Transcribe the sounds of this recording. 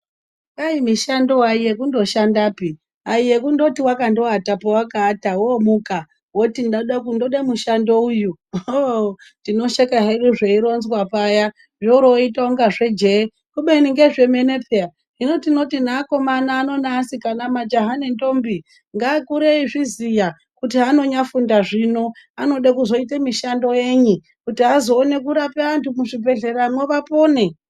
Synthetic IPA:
ŋɡaimiʃando̞waijekundo̞ʃandaːpi | aijekundo̞tiwakandoɦatapowakaːtawomuka | wotindaɗakundoɗamuʃandoujuotino̞ʃekaɦeɗuʐeiɾo̞nzwapaja | ʐouɾoitaoŋɡaʐe̞d͡ʒe | kuɓeniŋɡeʐe̞mene̞peja | ɦino̞tino̞tinaːko̞manaːno̞naːsikanamad͡ʒoɦanento̞mbi | ŋɡaːkuɾeiʐizija | kutiano̞ɲafundaʐino̞ano̞ɗakuzo̞itemiʃando̞je̞ːɲi | kutiazo̞ːne̞k̬uɾapeantʰumuʐibʱe̞ɮe̞ɾano̞ʋapo̞ːne

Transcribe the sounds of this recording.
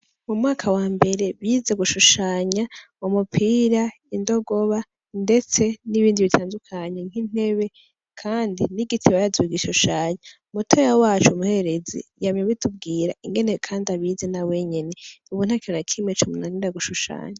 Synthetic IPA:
mumŋaːkʰawaːmbe̞ɾe̞βjizeɡuʃuʃaːɲa | umupʰiːɾa | indo̞ɡo̞βa | nde̞t͡se̞niβiːndiβitʰaːndukʰaɲeŋ̥hin̥he̞βe̞ | kʰaːndiniɡitʰiβajazuɡiʃuʃaːɲa | mutʰojawaːt͡ʃumuhe̞eɾe̞zḭjamɲeβitʰub̚ɡiːɾa̰iŋɡe̞nekʰaːndaβizenawe̞ɲe̞ne̞uβun̥hakionakʰimwet͡ʃumunaindaɡuʃuʃa̰ːɲa

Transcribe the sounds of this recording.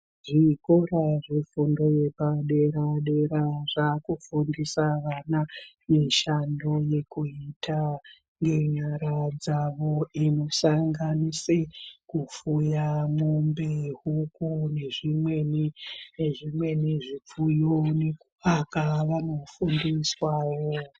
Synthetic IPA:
ʐikoɾaʐefundo̞je̞paɗe̞ɾaɗe̞ɾaʐakufundisaʋana | miʃando̞je̞kuitʰa | ŋɡe̞ɲaɾad͡zaʋo̞ino̞saŋɡanisekufujamumbeɦukune̞ʐimwe̞nineʐimwe̞niʐip͡fujonekuakaʋano̞fundiswaːjo

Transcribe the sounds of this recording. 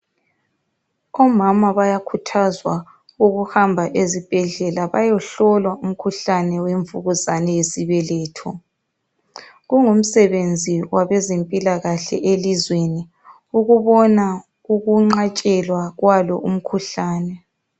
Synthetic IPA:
ɔmamaβajakʰutʰazwa | uɣuhambʱaʔezib̥ʱɛɮɛlaβajɔɬɔlwaum̩kʰuɬanɛweɱvuɣuzanɛjesiβɛlɛːtʰɔ | ɣuŋum̩sɛβend͡zʱiwaβɛzempʼilaɣaɬɛ̰ʔelizweni | uɣuβɔna | uɣuŋ͡ǁat͡ʃʼɛlwaɣwalɔ̰ʔum̩kʰuɬaːnɛ

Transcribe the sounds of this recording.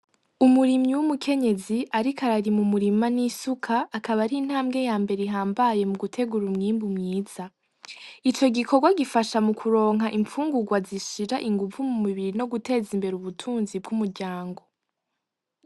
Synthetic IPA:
umuɾimɲiwumukʰe̞ɲe̞ziʔaɾikʰaɾaɾimumuɾimanisukʰaːkaβaɾin̥haːmɡe̞jaːmbe̞ɾeiɦaːmbaje̞muɡutʰe̞ɡuɾumŋiːmbumŋiːz̥a | it͡ʃo̞ɡikʰoɡwaɡifaʃamukʰuɾo̞ːŋ̥ɦaʔiɱfuːŋɡuɡwaziʃiɾaʔiŋɡuvumumiβiɾino̞ɡute̞ːzimbe̞ɾuβutʰuːnzib̚ɡumuɾɟaːŋɡo̞

